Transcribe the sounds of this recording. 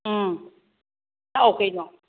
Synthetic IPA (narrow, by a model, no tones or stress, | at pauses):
naʔokʰenɔ